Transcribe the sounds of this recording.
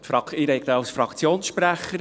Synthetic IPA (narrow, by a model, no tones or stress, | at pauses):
t̪fɾɑkɪɾɛɪk̚t̪əɑwsfɾɑkt͡sjoːnsʃpɾæχəɾ